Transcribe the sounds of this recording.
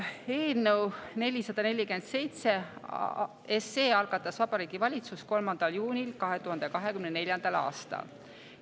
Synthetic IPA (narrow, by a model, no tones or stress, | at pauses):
e̞ːlnewne̞lʲisɑd̪̥ɑne̞lʲːikymend̪̥se̞jt̪se̞ | ese̞ːɑlɡ̥ɑt̪ːˑɑsvɑb̥ɑɾiːɡ̥ivɑlʲit̪susko̞lmɑnd̪̥ɑljuːnʲilkɑɦet̪uhɑnd̪ekɑɦe̞kymnene̞lʲjɑnd̪̥ɑlɑ̰ːst̪ɑ̰l